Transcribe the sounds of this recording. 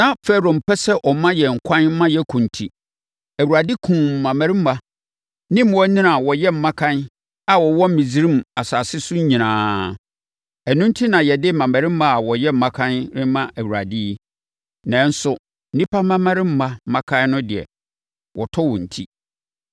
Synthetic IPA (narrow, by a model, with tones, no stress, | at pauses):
nã˦˨fɛ˦ɾo˨m̩˨pʰɛ˦sɛ˦ʔɔ˨mã˦jɛ˨ŋ̩˨kʷʰã˦n̩˦mã˦jɛ˦kʰũ˨n̩˨tʰi˦ | æ˨wu˨ɾa˨di˦kʰũː˨ã˨mæ˨ɾɪ˦m̩˦ma˦ | nɪ̃˦m˨ɔ˦nĩ˦na˨wɔ˨jɛ˦m̩˨mːã˦kʰã˦n | a˨wɔ˨wɔ̃˦m̩˦mĩ˨d͡zi˦ɾĩ˦ma˨sa˨sɪ˦sʊ˦ɲ̩˦ɲĩ˨nãː˨˦ | ɛ˨nʊ̃˦n̩˦tʰi˦nã˨jɛ˨dɪ˦mã˨mæ̃˨ɾɪ̃˦m̩˦ma˦a˨wɔ˨jɛ˦m̩˨mã˦kʰã˦nɾɪ˦mã˦ʔæ˨wu˨ɾa̰˨di˦ | nã˨˦n˦sʊ˨ | n̩˦nĩ˦pʰa˦mã˦mã˦ɾɪ̃˦m̩˦ma˦mã˦kʰã˦nʊ̃˦dɪ˨ɛ̰˨ | wʔɔ˨tʰɔ˦wɔ̃˨n̩˨tʰi˦